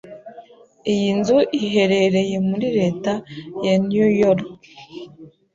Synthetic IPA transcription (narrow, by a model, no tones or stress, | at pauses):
ijinzuʔiɦe̞ɾe̞ɾe̞je̞muɾiɾe̞ːtajanjujoɾk